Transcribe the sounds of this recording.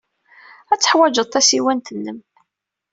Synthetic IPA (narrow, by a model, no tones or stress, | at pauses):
æt͡sːə̥ħwæd͡ʒəðˤt̪æsiwænt̪ənːəm